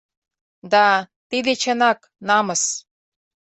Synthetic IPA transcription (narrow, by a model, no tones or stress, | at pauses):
d̪ɑt̪id̪et͡ɕə̆nɑk | nɑmɤ̆s